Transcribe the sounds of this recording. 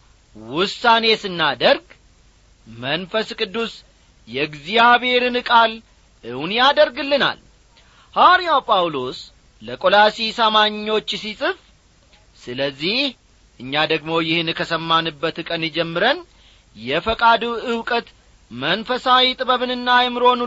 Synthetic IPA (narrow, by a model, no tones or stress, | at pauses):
wʊsːane̞sɨnːad̪əɾɡ | mənfəskʼɨd̪ːus | jɛɡzijaβe̞ɾɨnɨkʼal | ɨhunjad̪əɾɡɨlːɨna̰l | haɾijawpʼawlo̞s | ləkʼolasisəmaɲːo̞t͡ʃːsisʼɨf | sɨləzːih | ʔɨɲːad̪əɡmo̞jɪhɨnkʰəsəmːanɨbːət̪ɨkʼənɨd͡ʒɛmːɨɾən | jɛfəkʼad̪uɨwkʼət̪ | mənfəsawit̪ʼɨbəβɨnɨnːajɛmɨɾo̞nu